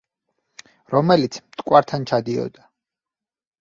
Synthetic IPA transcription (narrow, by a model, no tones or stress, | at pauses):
ɾɔmɛlit̪sʰmt̪ʼkʼwaɾt̪ʰant͡ʃʰad̪iɔ̰d̪a